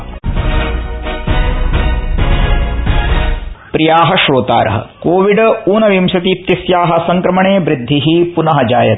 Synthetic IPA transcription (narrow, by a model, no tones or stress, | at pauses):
pɾijaːɦɐʃɾoːt̪a̰ːɾɐ̰ɦɐ̰koːʋiɖɐuːnɐʋimʃɐt̪it̪jɐsjaːɦɐ̆sɐŋkɾɐmɐɳeːʋɾid̪ʱːiɦipunɐɦɐd͡ʒaːjɐt̪